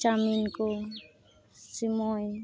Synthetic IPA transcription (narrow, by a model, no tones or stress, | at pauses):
t͡ʃaminko | simɔj